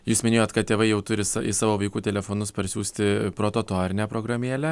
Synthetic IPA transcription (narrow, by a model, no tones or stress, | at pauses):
juːsmʲɪnʲeːjoːt̪kɐt̪t̪ʲeːʋɐɪjɛʊt̪ʊɾʲɪsɐɪ̰sɑːʋoːʋɐɪkuːt̪ʲɛlʲɛfoːnʊspɐɾʲsʲuːsʲt̪ʲɪpɾoːt̪oːt̪oːɾʲɪnʲɛːpɾoːɡɾɐmʲiɛlʲæ